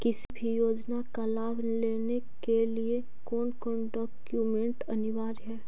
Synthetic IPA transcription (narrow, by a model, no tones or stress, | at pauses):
kɪsibʱijoːd͡ʒnakalaːʋ | leːnekelie | kɔːnkɔːnɖɔːkjumɛ̃ɳʈɐnɪʋaːɾɦɛː